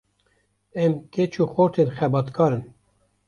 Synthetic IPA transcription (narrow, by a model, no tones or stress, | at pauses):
ɛmket͡ʃʰuːxoɾt̪ʰenxɛbɑːt̪kʰɑːɾɨn